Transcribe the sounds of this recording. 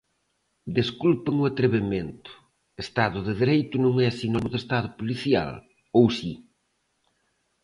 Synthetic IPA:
d̪eskulpeŋʊat̪ɾeβement̪ʊ̥ | est̪aðʊðɪðeɾejt̪ʊnõŋɛsinɔnʊðest̪aðʊpoliθja̰l | owsi

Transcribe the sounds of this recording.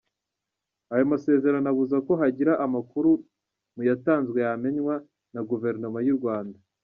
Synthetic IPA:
ajo̞mase̞ːze̞ɾanaβuzako̞ɦaɟiɾaʔamakuɾu | mujataːnzɡwe̞jame̞ɲwa | naɡuve̞ɾnomajuɾɡwaːnda

